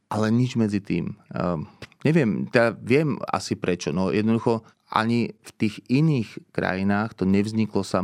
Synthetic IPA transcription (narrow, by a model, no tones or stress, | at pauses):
ʔalɛɲid͡ʒmɛd͡zit̪ḭːm | ɲɛʋɪɛmt̪ɛd̪aʋɪɛma̰sipɾɛt͡ʃɔnɔjɛd̪nɔd̪uxɔ | ʔa̰ɲift̪iːɣiniːxkɾa̰jinaːxt̪ɔɲɛvzɲiklɔsa